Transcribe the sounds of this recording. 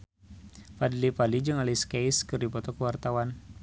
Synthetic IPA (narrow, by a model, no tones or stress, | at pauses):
fadlipalid͡ʒəŋaliskejskɨrdipɔt̪ɔkəwart̪awan